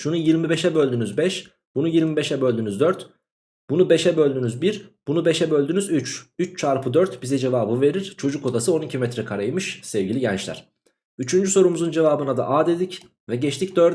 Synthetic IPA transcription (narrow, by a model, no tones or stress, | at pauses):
ʃunujiɾmibeʃɛbø̞lʲd̪ynyzbɛʃ | b̥unujiɾmibeʃɛbø̞lʲd̪ynyzd̪øɾt̪ | b̥unubeʃɛbø̞lʲd̪ynyzbiɾb̥unubeʃɛbø̞lʲd̪ynyzyt͡ʃyt͡ʃt͡ʃʰaɾpʰɯd̪øɾt̪bizɛd͡ʒevaːbɯve̞ɾiɾ̥t͡ʃʰo̞d͡ʒuko̞d̪asɯo̞nicʰimɛt̪ɾɛkʰaɾajmɯʃsɛvɟilʲiɟɛnt͡ʃlʲæ̰ɾ̥ | yt͡ʃʰynd͡ʒyso̞ɾumuzund͡ʒe̞vaːbɯnad̪a̰ʔaːd̪e̞d̪ic | vɛɟɛt͡ʃt̪ʰicd̪øɾ